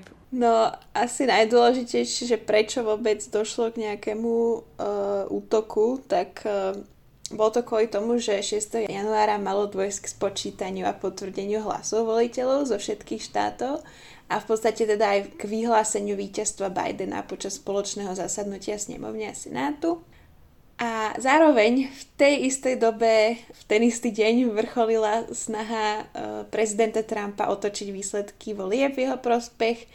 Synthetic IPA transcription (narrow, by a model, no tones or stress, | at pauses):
nɔʔasinajd̪ʊɔlɛʒicɛjʃɪɛʒɛpɾɛt͡ʃɔʋɔbɛd͡zd̪ɔʃlɔɡɲɛakɛmu | ʔuːt̪ɔkʰut̪ak | bɔlɔt̪ɔkʋɔlit̪ɔmuʒɛʃɪɛst̪ɛɦɔjjanuaːɾamalɔd̪ʋɔjsckspɔt͡ʃiːt̪aɲɪua̰pɔt̪ʋr̩ɟɛɲɪuɦla̰sɔʊʋɔlicɛlɔʊzɔfʃɛt̪kiːxʃt̪a̰ːt̪ɔʊ | ʔafpɔt̪t͡sst̪acɛt̪ɛd̪aːjɡ̥ʋiɦlaːsɛɲɪuʋiːcast̪ʋaba̰jd̪ɛna̰pɔt͡ʃasspɔlɔt͡ʃnɛːɦɔzasad̪nucɪasɲɛ̰mɔ̰ʊɲɛasɛ̰naːt̪u | ʔazaːɾɔʋɛɲft̪ɛjist̪ɛjd̪ɔbɛft̪ɛnist̪iɟɛɲʋr̩xɔlilasnaɦapɾɛzid̪ɛnt̪at̪ɾampa̰ʔɔt̪ɔt͡ʃiɟʋiːslɛt̪kʰiʋɔlɪɛbvjɛɦɔpɾɔspɛx